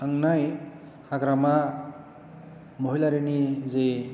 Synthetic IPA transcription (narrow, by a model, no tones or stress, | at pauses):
aŋnaj | haɡɾama | moɦilaɾenizej